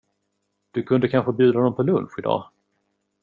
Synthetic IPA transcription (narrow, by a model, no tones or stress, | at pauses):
d̪̥ɵkʰɵnd̪əkʰanɧəbjʉ̟ːd̪aɔnɔmpʰɔlɵnɧɪd̪ɑ̰ː